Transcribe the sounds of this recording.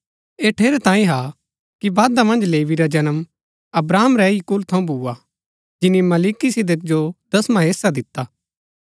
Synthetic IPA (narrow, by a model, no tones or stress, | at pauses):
eːʈʰeːɾɛt̪ãːĩɦa | kibaːd̪amɐ̃nd͡ʒleːʋiɾad͡ʒɐnəm | ɐbɾaːmɾɛikʊlt̪ʰɐ̃ũbʱuːa | d͡ʒɪnːimɐliːkisɪd̪ək̚d͡ʒod̪̥ɐsmãɦeːsad̪ɪt̪ːaː